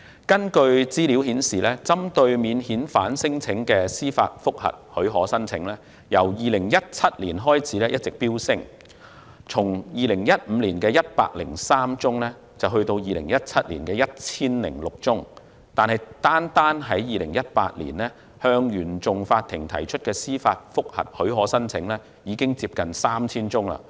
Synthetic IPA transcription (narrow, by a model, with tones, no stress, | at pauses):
kɐ˥nkɵ˧ɥt͡siː˥li˨˥whiː˨˥nsiː˨˩lɛː˥t͡sɐ˥mt̪ɵ˧ɥmiː˨˧nhiː˨˥nfa̰ː˨˥nsɪ˥ŋt͡sʰɪ˨˥ŋkɛː˧siː˥fa̰ː˧t̚fʊ˥k̚hɐ̰˨t̚hɵ˨˥ɥɦɔː˨˥sɐ˥nt͡sʰɪ˨˥ŋlɛː˥ | jɐ˨˩wjiː˨lɪ˨˩ŋjɐ˥t̚t͡sʰɐ˥t̚lḭː˨˩nɦɔː˥jt͡sʰiː˨˥lɛː˥jɐ˥t̚t͡sɪ˨k̚piː˥wsɪ˥ŋ | t͡sʰʊ˨˩ŋjiː˨lɪ˨˩ŋjɐ˥t̚m̩˨˧liː˨˩nkɛː˧jɐ˥t̚pa̰ː˧k̚lɪ˨˩ŋsaː˥mt͡sʊ˥ŋlɛː˥ | t͡sɐ˨wɦɵ˧ɥt̪o˧wjiː˨lɪ̰˨˩ŋjɐ˦˥t̚t͡sʰɐ˥t̚liː˨˩nkɛː˧jɐ˥t̚t͡sʰiː˥nlɪ̰˨˩ŋlʊ˨k̚t͡sʊ˥ŋ | t̪aː˨nɦɐ˨jt̪aː˥nt̪aː˥nɦɐ˨˥jjiː˨lɪ˨˩ŋjɐ˥t̚pa̰ː˧t̚lḭː˨˩nlɛː˥ | hœː˧ŋjyː˨˩nt͡sʊ˨ŋfaː˧t̪ʰːɪ˨˩ŋt̪ʰɐ̰˨˩jt͡ʃʰɵ˥t̚kɛː˧siː˥faː˧t̚fʊ˥k̚hɐ̰˨˩t̚hɵ˨˥ɥɦɔː˨˥sɐ˥nt͡sʰɪ˨˧˥ŋlɛː˥ | jiː˨˧kɪ˥ŋt͡siː˧p̚kɐ˨nsaː˥mt͡sʰiː˥nt͡sʊ˥ŋla̰ː˧